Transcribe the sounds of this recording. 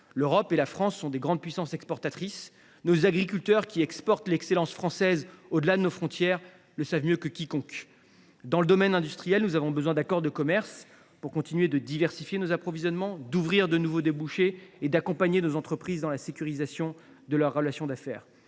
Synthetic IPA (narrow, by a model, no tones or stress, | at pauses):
løʁɔpelafχɑ̃sːɔ̃d̪eɡʁɑ̃d̪̚pɥisɑ̃sɛkspɔʁt̪at̪χis | nozaɡʁik̬ʲylt̪œʁkʲiɛkspɔʁt̪lɛkselɑ̃sfχɑ̃sɛzod̪əlad̪ənofχɔ̃t̪jɛʁ | ləsavmjøkəkʲikɔ̃k | d̪ɑ̃ləd̪ɔmɛnɛ̃d̪yst̪χijɛlnuzavɔ̃bəzwɛ̃d̪akɔʁd̪əkɔmɛʁs | puʁkɔ̃t̪inɥed̪əd̪ivɛʁsifjenozapχɔvizjɔnmɑ̃d̪uvʁiʁd̪ənuvod̪ebuʃeːd̪akɔ̃paɲenozɑ̃t̪χəpχizd̪ɑ̃lasekʲyʁizasjɔ̃ | d̪əlœʁːəlasjɔ̃d̪afɛ̰ːʁ